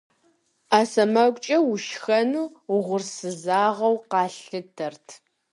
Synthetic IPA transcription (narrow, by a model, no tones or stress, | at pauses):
aːsɐmɐkʷʼt͡ʃʼɐwʊʃxɐnuːʁʷʊrsɨzaːʁɐwqɑːɬɨtʰɐrtʰ